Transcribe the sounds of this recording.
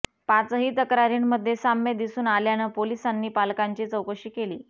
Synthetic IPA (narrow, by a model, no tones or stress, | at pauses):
pat͡sɦiːt̪əkɾaɾinməd̪ʱːjesamed̪isuːnaljanəpolisanːiːpalkaɲt͡ɕiːt͡səwkəɕiːkeliː